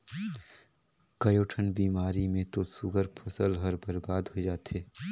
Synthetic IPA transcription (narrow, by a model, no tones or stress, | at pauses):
kɐjoːʈʰənbiːmaːɾimẽt̪osʊɡʱəɾpʰɐsəlɦɐɾbəɾbaːd̪ɦod͡ʒaːt̪eː